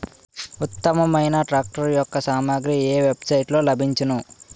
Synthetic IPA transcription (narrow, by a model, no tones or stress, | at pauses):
ut̪ːɐmɐmɐjnɐʈɾaːk̚ʈɐɾjɔkːɐsaːmaːɡɾieːʋe̞bsɐjʈlo̞ːlɐbʱiɲt͡ʃinu